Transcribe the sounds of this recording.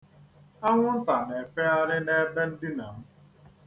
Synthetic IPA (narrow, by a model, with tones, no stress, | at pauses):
a˦ŋʷʊ˦n̩˦ta˨ne˨fe˦a˦ɾɪ˦ne˦be˦n̩˦dɪ˦na˨m̩˦